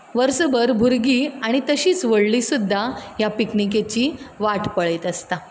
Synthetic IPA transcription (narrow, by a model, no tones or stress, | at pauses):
ʋəɾsəbəɾbʱuɾɡiːaɽ̃it̪əɕiːt͡sʋəɭlisud̪ʱːajapiknik̬et͡ɕiːʋaʈʰpəɭəjt̪əst̪a